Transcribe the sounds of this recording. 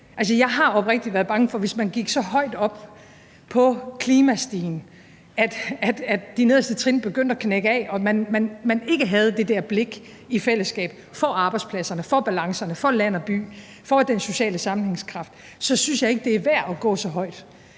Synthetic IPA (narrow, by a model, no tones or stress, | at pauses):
ʔæls̬əjɑ̈ɪɦɑ̈ɒ̽b̥ʁɛɡ̥əd̥iʋæːɐðˠb̥ɑ̈ŋəfɒ̽ʋe̝smænɡ̥iɡ̥sɒ̽ɦɒ̽ɪ̰d̥ɒ̽b̥ | pʰɒ̽kʰliːmæsd̥iːn̩ | æd̥æd̥æd̥d̥ine̝ðˠɐsd̥ət͡sʰʁinb̥e̝ɡ̥øn̰d̥ækʰneɡ̥əɛ̰ɒ̽mænmænmæne̝ɡ̥əɦæð̞ˠd̥e̝d̥ɛɐ̰b̥le̝ɡ̥ | ifel̰əsɡ̥ɛ̰ːb̥ | fɒ̽ʔɑ̈ːb̥ɑ̈ɪd̥spʰlæsɐnəfɒ̽b̥ælɑ̈ŋsɐnəfɒ̽læn̰ɒb̥y̰ː | fɒ̽d̥enso̝ɕɛ̰ːləsɑ̈mn̩he̝ŋskʰʁɑ̈fd̥ | sɒ̽synsjɑ̈e̝ɡ̥əd̥e̝æɐʋæɐ̰ɒɡ̥ɔ̰̽ːsɒ̽ɦɒ̽ɪ̰d̥